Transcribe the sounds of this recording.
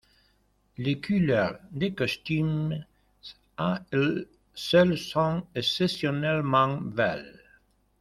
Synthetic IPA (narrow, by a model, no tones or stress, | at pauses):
lekylœʁd̪ekɔst̪ym | aɛl | sœlsɔ̃ɛksesjɔnɛlmɑ̃vɛ̰l